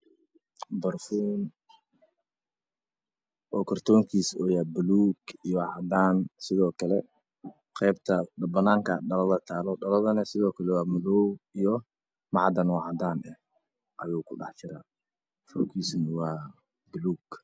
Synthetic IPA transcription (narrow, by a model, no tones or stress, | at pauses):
bɐrfuːn | ʔɔːkʰɔrt̪ʰɔːŋkʰiːsɔːjaːbʊluːɡijɔʕɑd̪aːnsɪðɔːkʰɐlɛ | qɛːbt̪ʰɐɖɐbɐnaːŋkʰɐɖɐlɐðɐt̪ʰaːlɔɖɐlɐðɐnɐsɪðɔːkʰɐlɛwɑːmʊlɔwijɔ | mɑʕd̪ɐnwɑʕɑd̪aːnɛh | ʔɐjuːkʰʊɖɑ̰ħt͡ʃɪɾaː | fɔkʰiːsnɐwɑː | bʊluːɡ